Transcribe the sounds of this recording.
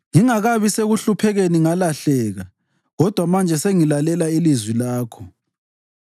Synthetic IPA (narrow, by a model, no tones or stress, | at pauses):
ŋiŋaɣaβiseɣuɬupʰɛɣeniŋalaɬɛːɣa | ɣɔd̥ʱwamand͡ʒʱɛseŋilalɛlailizwilaːkʰɔ